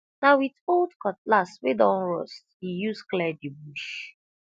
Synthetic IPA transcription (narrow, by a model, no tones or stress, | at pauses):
nawitoldkɔt̚laswedɔ̃nɹɔsthijusklɛdibuʃ